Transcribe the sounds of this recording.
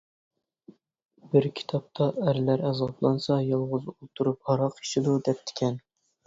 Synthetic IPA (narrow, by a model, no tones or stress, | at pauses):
bɪɾkʲʰi̥t̪ʰɑp̚t̪ʰɑæɾlæɾɛzɑplˠɑnsɑjɑlˠʁʊzolˠt̪ʰuɾup̚hɑɾɑqi̥ʃɪd̪ud̪ɛp̚t̪ʰɪ̥kʲʰɛn